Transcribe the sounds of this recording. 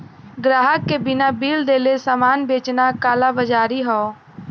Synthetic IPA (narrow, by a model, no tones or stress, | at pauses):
ɡɾaːɦəkːebɪnabiːld̪eːlesaːmaːnbeːt͡ʃnakaːlabəd͡ʒaːɾiɦɔː